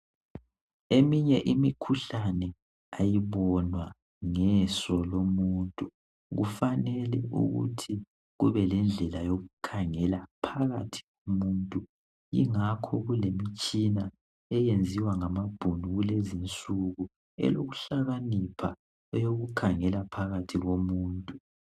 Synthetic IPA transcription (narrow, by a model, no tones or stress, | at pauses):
emiɲɛʔimikʰuɬanɛ | ajiβɔnwa | ŋɛsɔlomuːntʼu | ɣufanɛlɛ̰ṵɣṵtʰi | ɣuβɛlɛnd͡ɮʱɛlajoɣukʰaŋɛlapʰaɣa̰tʰi̥ɣomuːntʼu | ḭŋakʰɔɣulemit͡ʃʼina | ɛjend͡zʱiwaŋamab̥ʱunuɣulezint͡sʼuɣu | ɛ̰loɣuɬaɣanipʰa̰ | ɔjoɣukʰaŋɛlapʰaɣatʰiɣomuːntʼu